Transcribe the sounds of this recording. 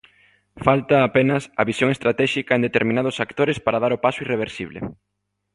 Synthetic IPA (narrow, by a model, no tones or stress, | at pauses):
falt̪ɐːpenɐsɐβisjoŋest̪ɾat̪ɛʃikɐẽnd̪et̪eɾmĩnaðʊsakt̪oɾespaɾaðaɾopasʊireβ̞eɾsiβ̞lḛ